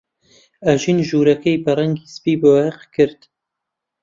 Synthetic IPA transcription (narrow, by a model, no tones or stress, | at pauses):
ɐʒinʒuːɾɐkɐjbɐrɐŋɡisɨ̥piːboɛqkʰɨɾd̪̥